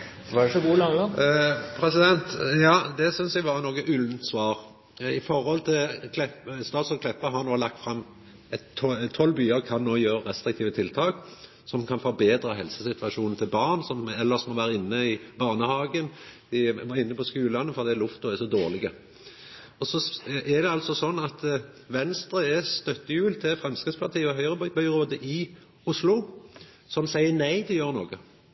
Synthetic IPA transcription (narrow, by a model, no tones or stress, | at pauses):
ʋɑɖɛʂɔɡuːlɑːŋɑpʰɾɛsɪd̪ɛnt̪jɑːd̪ɛsʏnsæɡʋɑʁnoːɡəʔʉln̩t̪sʋɑːʁ | ɪfɔɾhɔlt̪ʰɪlkʰlɛpst̪ɑːt̪sɔkʰlɛpːəɦɑʁnoːlɑk̚t̪fɾɑmː | ɛt̪t̪ʰːɔlːbyːəʁkʰɑnːoːjøːəɾɛst̪ɾɪk̚t̪ʰiːʋət̪ʰɪlt̪ʰɑːk | sɔmkʰɑnfɔɾbeːd̪ɾəɦɛlsəsɪt̪ʋɑʂuːnn̩t̪ʰɪlbɑːʁnsɔmɛlːəsmɔʋæːʁəɪnːəɪbɑːʁnəhɑːɡən | ɪɪnːəpʰɔskʉːllɑnːəfɔʁɑd̪ɛlʊft̪ʊɛsɔd̪oːʁlɪɡə | ɔsɔʔɛd̪ɛɑlt̪sɔsɔnːɑt̪ | ʋɛnst̪ɾəɛst̪œt̪ːəjʉːlt̪ʰɪfɾɛmskʁɪt̪spʰɑʁt̪ʰiːəɔɦœʏʁəbœʏbœʏʁoːd̪əʔɪ | ʊslʊ | sɔmsæɪənæɪt̪ʰɪljøːʁənoːɡə